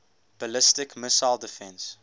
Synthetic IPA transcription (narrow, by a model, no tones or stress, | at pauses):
b̥əlɪstɪkməsaɪlˠdəfɛ̃ns